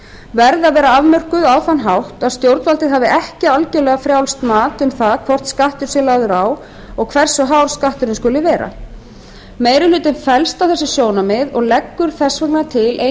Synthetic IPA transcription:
vɛɾðaðvɛːɾaavmœr̥kʏðawθanːɦawht̪aðst̪jowɾt̪valt̪ɪðɦaːvɪʔɛhcɪalcɛlɛɣafɾjawlst̪maːt̪ʏmθaðkʰvɔr̥t̪skaht̪ʏɾ̥sɛlaːɣðʏɾaw | ɔɣkʰvɛr̥sʏɦawɾ̥skaht̪ʏɾɪnskʏlːɪvɛːɾa̰ | meːjɾɪlʏːt̪ɪnfɛlst̪awθɛsːɪsjoːwnamɪðɔɣlɛkːʏɾ̥θɛsvɛknat̪ʰɪlʔe

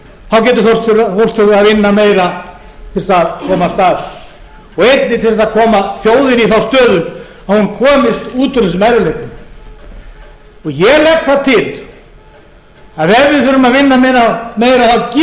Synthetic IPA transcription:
θawcɛːt̪̬ɪθo̥t̪ɾθor̥t̪fʏɾaðvɪnːameːjɾa | t̪ʰɪlsaðkʰɔːmast̪aɾ | ɔɣejt̪̚nɪt̪ʰɪlsaðkʰɔːmaθjoːwðɪniθawst̪œːðʏm | ahunkʰɔːmɪst̪uːt̪ʏɾlɪsʏmajɾɪlet̪nʏ | ɔɣjɛlɛxt̪θat̪ʰɪl | aðɛvːɪðθfʏɾʏmaðvɪnːamejɾameːjɾaðθawcɪ

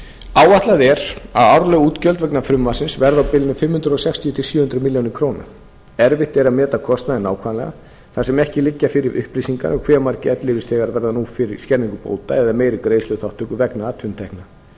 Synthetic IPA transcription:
aːwaht̪laðɛɾ̥aðawɾlœɣuːt̪cœlt̪vɛknafɾʏmvasɪnsvɛɾðawpɪːlɪnʏfɪmhʏnt̪ɾʏɔsɛkst̪ʰiʏt̪ʰɪlsjʏːhʏnt̪ɾʏmɪljownɪkʰɾoːwna̰ | ɛɾvɪht̪ɛɾamɛːt̪akʰɔst̪naðɛnːaːwkʰvaːlɛɣa̰ | θasɛmɛhcɪlɪcːafɪɾɪɾʔʏ̰hpɾiːsiŋka̰ɾɔɣkʰvɛːɾmaɾcɪɛt̪lɪvɪst̪ʰɛɣaɾvɛɾðanufɪɾɪɾ̥scɛɾniŋkʏpo̰ːwt̪aɛðameːjɾʏkɾeːjslœɣθawht̪ʰːʏkʏvɛknaat̪ʰʏnt̪ʰɛhkna

